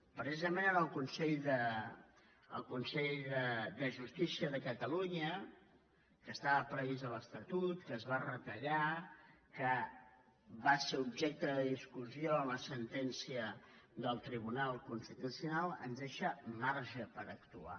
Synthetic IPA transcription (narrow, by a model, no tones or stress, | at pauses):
pɾəzizəmenənəlˠkunsɛʎðə | ə̰lˠkunsɛʎðəd̪əʒust̪isiəðəkət̪əluɲə | kəst̪aβəpɾəβizələst̪ət̪ut̪kəzβarət̪əʎakə | βaseubʒɛk̚t̪əðəðiskuzijoəmləsənt̪ɛnsiə | ðəlˠt̪ɾiβunalˠkunst̪it̪usiunalˠə̰nzðeʃəmaɾʒəpəɾəkt̪ua̰